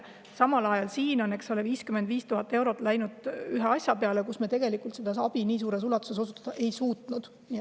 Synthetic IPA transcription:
sɑmɑlɑjɑlsiːno̞nːe̞kso̞leviːskymend̪viːst̪uɦɑt̪ːˑewɾo̞t̪ˑlæjnud̪̥yɦeɑsʲjɑpeɑlekusmet̪eɡ̥e̞likˑult̪sed̪esɑb̥iniːs̬uːɾe̞s̬ulɑt̪ːˑu̥seso̞sut̪ːˑɑd̪ɑʔe̞jsuːt̪nud̪̥ | ni

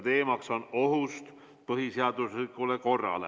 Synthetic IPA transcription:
t̪e̞ːmɑkso̞no̞ɦust̪ | pɤɦiseɑd̪uslikːˑule̞ko̞rːɑ̰lḛ

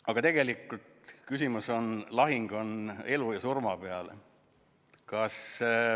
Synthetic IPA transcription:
ɑɡ̥ɑt̪e̞ɡ̥e̞likːˑult̪kysimuso̞nlɑɦiŋɡ̥o̞ne̞lujɑsurmɑpeɑl | kɑs

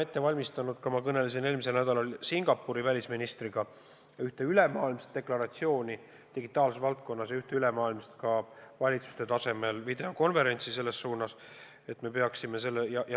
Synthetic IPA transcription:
e̞t̪ːe̞vɑlʲmist̪ɑnud̪̥̚kɑmɑkɤne̞lesine̞ːlmiselnæd̪̥ɑlɑlsiŋɡ̥ɑpːˑuɾivælʲisminist̪riɡ̥ɑ | yht̪e̞yle̞mɑːilmst̪̚d̪e̞klɑɾɑt̪sio̞ːnʲi | t̪iɡit̪ːˑɑːlsesvɑlt̪̚ko̞nːɑsjɑyht̪eyle̞mɑːilmst̪kɑvɑlʲit̪su̥st̪e̞t̪ɑse̞me̞lvid̪e̞o̞ko̞nve̞ɾe̞nʲsise̞lːe̞sːuːnɑs | e̞t̪ːme̞pe̞ɑksime̞se̞lːejɑj

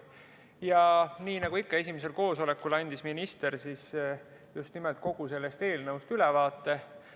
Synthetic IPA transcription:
jɑniːnɑɡ̥uikːɑe̞sʲimese̞lko̞ːso̞le̞kːulɑnʲd̪̥isminist̪e̞ɾsis | just̪nimelt̪̚ko̞ɡ̥use̞lːe̞st̪e̞ːlnɤwst̪ylɛvɑːt̪ːe̞

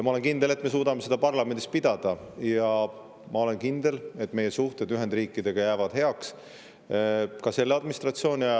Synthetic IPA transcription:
jɑmɑo̞le̞nkind̪ele̞t̪ːˑme̞s̬uːd̪ɑme̞se̞d̪̥ɑpɑrlɑme̞nd̪ist̪̚pid̪̥ɑd̪̥ɑjɑ | mɑo̞le̞nkind̪̥e̞le̞t̪ːˑme̞je̞suht̪ed̪yɦe̞nd̪riːkːˑid̪e̞ɡ̥ɑjæːvɑd̪̥he̞ɑks | kɑse̞lːeɑd̪minist̪rɑt̪sio̞ːnʲi

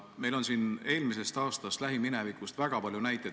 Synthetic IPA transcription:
me̞jlo̞nsine̞ːlmis̬e̞st̪ɑːst̪ɑst̪læɦiminevikˑust̪væɡ̥ɑpɑlʲjunæjt̪ːˑe

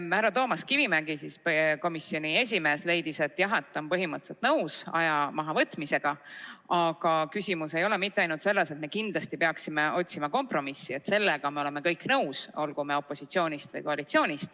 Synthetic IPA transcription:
hæɾɑt̪o̞ːmɑskivimæɡisispko̞misːjo̞nʲie̞s̬ʲime̞ːsle̞jd̪̥ise̞t̪ːˑjɑɦet̪ːˑompɤɦimɯt̪set̪nɤwsɑ̰jɑmɑɦɑvɤt̪ːˑmise̞ɡ̥ɑɑɡ̥ɑkysʲimuse̞jo̞lemit̪ːeɑjnult̪selːese̞t̪me̞kind̪̥lɑst̪ipe̞ɑksimeo̞t̪ʲsimɑko̞mpro̞misːie̞t̪se̞lːeɡ̥ɑmeole̞me̞kɤjkˑnɤwso̞lɡ̥ume̞o̞pːˑo̞sit̪sio̞ːnʲist̪vɤ̰jko̞ɑlit̪sio̞ːnʲist̪

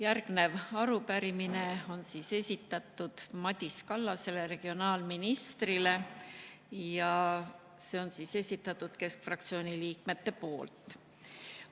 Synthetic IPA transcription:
jærɡ̥ne̞vɑɾupæɾimine̞o̞nsiːse̞sʲit̪ːˑɑt̪ːˑud̪̥mɑd̪̥ʲiskɑlːɑse̞le̞ɾe̞ɡ̥io̞nɑːlminist̪rile̞ | jɑ | se̞o̞nsiːse̞sʲit̪ːˑɑt̪ːˑud̪̥ke̞skfrɑkt̪sio̞ːnʲiliːk̚me̞t̪ːe̞po̞ːlt̪ˑ

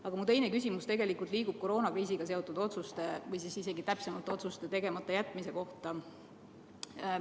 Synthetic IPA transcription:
ɑɡ̥ɑmut̪e̞jne̞kys̬ʲimust̪e̞ɡe̞likˑult̪ˑliːɡ̥ub̥̚ko̞ɾo̞ːnɑkriːs̬iɡ̥ɑse̞o̞t̪ːˑud̪o̞t̪sust̪e̞vɤjsisise̞ɡ̥it̪æpse̞mɑlt̪eo̞t̪sust̪et̪e̞ɡe̞mɑt̪ːˑɑjæt̪ːˑmise̞ko̞ht̪ɑ

